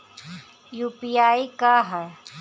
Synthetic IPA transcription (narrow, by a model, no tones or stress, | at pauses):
juːpijaːikaɦa